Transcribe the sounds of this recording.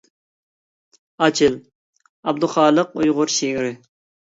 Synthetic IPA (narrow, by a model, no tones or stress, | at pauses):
ɑt͡ʃʰɪl | ɑb̚d̪ʊχɑːlˠəqujʁʊɾʃiŋɾɪ